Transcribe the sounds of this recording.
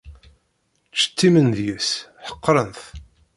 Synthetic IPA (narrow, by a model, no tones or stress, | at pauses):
t͡sːə̥t̪ːimənðjəsħə̥qːɾˤənθ